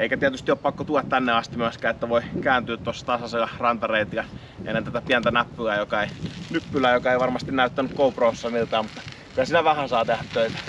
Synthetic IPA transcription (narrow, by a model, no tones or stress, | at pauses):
eˑikæt̪iæt̪yst̪ioːpɑkːot̪uɑt̪t̪ænːeɑst̪imyæskæːet̪ːæʋoˑikæːnt̪yːt̪t̪uɑsːɑ̥t̪ɑsɑselɑrɑnt̪ɑreit̪jɑ | ʔḛnːent̪æt̪æpiænt̪ænæpːyæjokɑeinypːylæːjokɑeˑiʋɑrmɑst̪innæˑyt̪ːænykkouproːsːɑmilt̪ɑːmut̪ːɑ | kylæsiːnæʋæhæsɑːt̪ehæt̪t̪øit̪æ̥